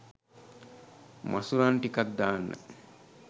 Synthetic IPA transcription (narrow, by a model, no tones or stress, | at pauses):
mʔa̰suɾaːnʈikɐt̪̚d̪aːnːə̰